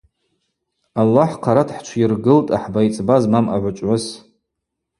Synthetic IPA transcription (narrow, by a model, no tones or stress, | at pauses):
alːaħqʰaɾatʰħt͡ʃʷʰirɡɨltʼaħbajt͡sʼbazmamaʕʷat͡ʃʷʼʕʊs